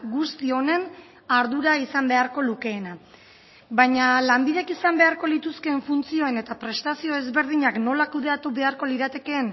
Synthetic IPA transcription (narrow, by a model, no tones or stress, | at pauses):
ɡust̪io̞ne̞n | aɾðuɾaisambe̞aɾko̞luke̞ːna | bajɲalambiðe̞kisambe̞aɾko̞lit̪uske̞ːɱfunt͡sio̞e̞ne̞t̪apɾe̞st̪asio̞e̞zβe̞ɾðiɲakno̞lakuðe̞at̪uβe̞aɾko̞liɾat̪e̞ke̞ːn